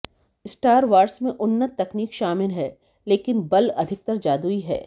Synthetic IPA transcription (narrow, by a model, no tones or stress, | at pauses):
ɪsʈaːɾʋaːɾsmẽʔʊnːət̪ːɐkniːkʃaːmɪlɦɛː | leːkɪnbɐlɐ̰d̪ʱɪk̚t̪əɾd͡ʒaːd̪uiɦɛ̰ː